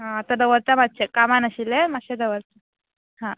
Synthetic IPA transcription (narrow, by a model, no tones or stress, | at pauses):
ɦãət̪ad̪əʋəɾt̪amat̪̚t͡ɕekamanəɕilemaɕed̪əʋəɾt̪a | hã